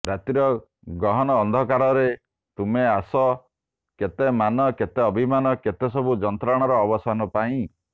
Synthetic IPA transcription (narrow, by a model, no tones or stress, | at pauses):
ɾat̪iɾɔ | ɡɾɔɦɔnɔːnd̪ʱɔkaɾɔɾe | t̪umeasɔ | ket̪emanɔket̪eɔbʱimanɔket̪esɔbʱud͡ʒɔnt̪ɾaɽ̃ɔɾɔːbɔsanɔpaĩ